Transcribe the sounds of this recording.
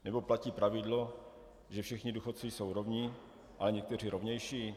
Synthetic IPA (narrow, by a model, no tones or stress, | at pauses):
nɛbo̞placiːpɾavɪdlo̞ | ʒɛfʃɛxɲɪduxot̪t͡suiːso̞wɾovɲi | ʔalɛɲɛk̚t̪ɛr̝iɾo̞vɲɛjʃiː